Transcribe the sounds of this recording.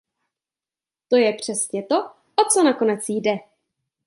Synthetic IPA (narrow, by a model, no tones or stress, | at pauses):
t̪o̞jɛpr̝̥ɛsɲɛt̪o̞ | ʔot͡so̞nako̞nɛt͡sjdɛ